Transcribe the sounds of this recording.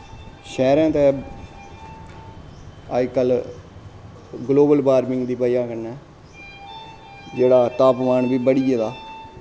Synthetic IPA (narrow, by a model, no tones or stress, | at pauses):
ʃɛːɾɛ̃ːt̪ɛː | ad͡ʒkəl | ɡloːbəlbaːɾmɪ̃ŋɡd̪iːpəjãːkəɾnɛː | d͡ʒeːɽaːt̪aːpʋaːɳbiːbəɽiːed̪aː